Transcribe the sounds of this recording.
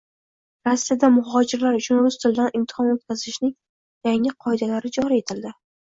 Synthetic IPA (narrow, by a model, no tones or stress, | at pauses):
ɾasːijad̪amʊhɒd͡ʒɪɾlaɾʊt͡ʃʰʊnbʊzt̪ʰɪld̪anɪmt̪ʰɪ̥hɒmot̪̚kʲazɪʃnɪŋ | jaŋɪqʰɒjd̪alaɾɪd͡ʒɒɾie̞t̪ʰɪld̪ɪ